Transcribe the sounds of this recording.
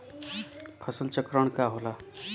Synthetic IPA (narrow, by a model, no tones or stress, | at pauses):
pʰʌsəlt͡ʃəkɾəɳ̃kaɦola